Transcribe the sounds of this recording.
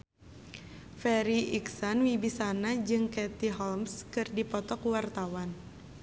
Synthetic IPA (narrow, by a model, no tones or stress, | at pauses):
fɛɾiʔiksanwibisanad͡ʒɨŋkɛt̪iɦɔlmskɨrdipɔt̪ɔkwart̪awan